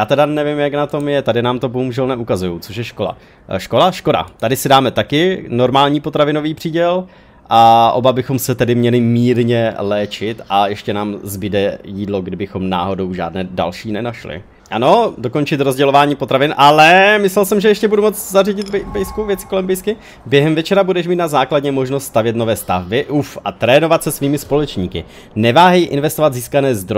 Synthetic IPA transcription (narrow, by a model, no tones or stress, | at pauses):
jaːt̪ɛdanɛvɪmjaknat̪o̞mjɛt̪adɪnaːmt̪o̞boɦumuʒɛlnɛʔukazujowt͡soʃ̬jɛʃko̞la̰ | ʃko̞laʃko̞da̰t̪adɪsɪdaːmɛt̪akɪno̞ɾmaːlɲiːpo̞t̪ɾavɪno̞viːpr̥iːɟɛl | ʔaʔo̞̰babɪxo̞msɛt̪ɛdɪmɲɛlɪmiːɾɲɛlɛːt͡ʃɪt̪ʔajɛʃcɛnaːmzbɪdɛjiːdlo̞ɡdɪbɪxo̞mna̰ːɦo̞dowʒa̰ːdnɛːda̰lʃiːnɛnaʃlɪ̰ | ʔano̞do̞ko̞nt͡ʃɪt̪ɾozɟɛlo̞vaːɲiːpo̞t̪ɾavɪnʔalɛmɪslɛlsɛmʒɛjɛʃcɛbudumo̞t͡szarɪɟɪt̪bɛbɛjskuvjɛt͡sɪ̥ko̞lɛmbɛjskɪ | bjɛɦɛmvɛt͡ʃɛɾabudɛʃmiːt̪nazaːkladɲɛmo̞ʒnost̪st̪avjɛt̪novɛːst̪avbɪʔufʔat̪ɾɛːno̞vat̪sɛsviːmɪspo̞lɛt͡ʃɲiːkɪ̰ | nɛvaːɦɛjʔɪ̰nvɛst̪o̞vat̪ziːskanɛːzd̪ɾo